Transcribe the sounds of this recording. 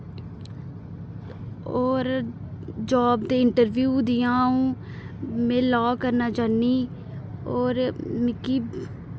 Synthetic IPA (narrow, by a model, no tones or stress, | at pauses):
oːɾ | d͡ʒɔːbd̪eːɪɳʈəɾbjuːd̪ɪjãːũː | mẽːlɔːkəɾnaːt͡ʃaːniː | oːɾmɪkiː